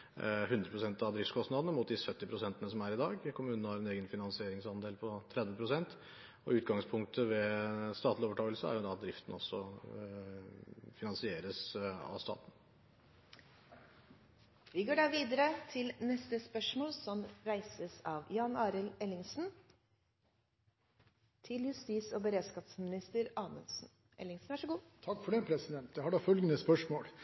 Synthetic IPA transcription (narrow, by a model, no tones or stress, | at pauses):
ɦʉnd̪ɾəpʰɾʊsɛnt̪ɑʋd̪ɾɪft̪skʰɔst̪nɑd̪ənəmʊːt̪̚d̪ɪsœt̪ːɪpʰɾʊsɛnt̪ənəsɔmæɾɪd̪ɑːɡkʰʊmʉːnnəhɑɾɛneːɡənfɪnɑnsɪeːɾɪŋsɑnd̪eːlpʰɔt̪ʰɾɛd̪ʋəpʰɾʊsɛnt̪ | ɔ̰ʉːt̪ɡɑŋspʰʊŋk̚t̪ʰəʋɛst̪ɑːt̪lɪoːʋəʈʰɑːɡəlsəæ̰ɾjʊd̪ɑt̪̚d̪ɾɪft̪n̩ɔsːɔ | fɪnɑnsɪeːɾəsɑ̰ʋst̪ɑ̰ːt̪n̩ | ʋɪɡoːɖɑːʋiːd̪əɾət̪ʰɪlnɛst̪əspœʂmoːlsɔmɾæɪsəsɑːʋjɑːnɑːɾəlɛlɪŋsn̩ | t̪ʰɪljʉst̪iːsɔːbəɾeːskɑːt̪smɪnɪst̪əɾɑːmənsn̩ | ʔɛ̰lɪŋsn̩ʋæʂəɡuːt̪ʰɑkːfɔɖeːpʰɾɛsɪd̪ɛnt̪̚d̪ɛhɑɖɑfœlɡənəspœʂmoːl